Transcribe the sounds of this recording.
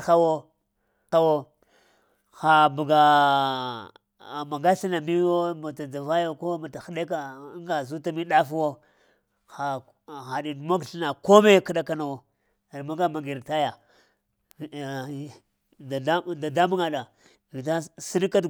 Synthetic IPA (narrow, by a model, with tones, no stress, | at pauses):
xa˦wo˦ | ta˦wo˦ | xa˨bu˨ɡa˨ | ma˨ɡa˦ɬi˦na˨mi˦wo˦ma˨ta˨d͡ʒa˨va˦jo˦ko˦ma˨ta˨xɗe˦k̬a˨˦ŋɡa˨zu˦ta˦mi˦ɗa˦fu˦wo˦ | xa˨ | xa˨ɗi˨dma˦ɡɬi˦na˨ko˦me˦˨ka˦ɗa˦ka˦na˨wo˨ | ɾma˦ɡa˦ma˨ɡi˨ɾta˦ja˨ | da˨˦da˨da˦mu˦ŋa˨ɗa˨ | vi˨ta˦si˦n˦ka˦d